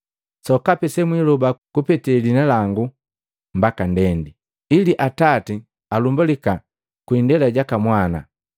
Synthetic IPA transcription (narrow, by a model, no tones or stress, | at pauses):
sɔkapɛsɛmwilɔbakupɛtɛlinalaŋɡu | m̩bakandɛndi | iliʔatati | alumbulika | kwindɛlaɟakamwana̰